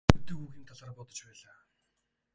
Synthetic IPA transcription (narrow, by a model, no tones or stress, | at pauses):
ut̪ɘ̆xuːxiːmt̪ʰaɮaːrpʊt̪ɞ̆t͡ɕpæːɮaː